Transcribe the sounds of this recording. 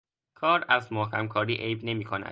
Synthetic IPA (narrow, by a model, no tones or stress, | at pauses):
kʰɒːɾæzmohkʰæmkʰɒːɾiːʔejbne̞miːkʰonæ̰̥